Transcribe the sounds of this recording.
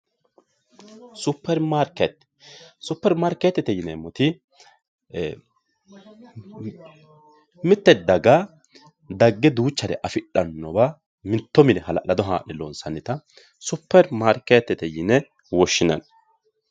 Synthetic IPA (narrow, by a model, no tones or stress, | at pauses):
sʊpːɛɾmaɾkɛt̪ | sʊpːɛɾmaːɾkɛt̪ːɛt̪ɛjɪnɛmʊt̪ɪ | mɪt̪ːɛd̪ːɐɡa | d̪ɐɡːɛd̪uːt͡ʃːɐɾɛʔɐfɪᶑːɐnːɔba | mɪt̪ːɔmɪnɛɦɐlɐlɐd̪ɔɦa̰ːʔɛloːnsɐnːɪt̪ɐ | sʊpːɛɾmaɾkɛt̪ːɛt̪ɛjɪnɛ | wɔʃːɪnɐ̰n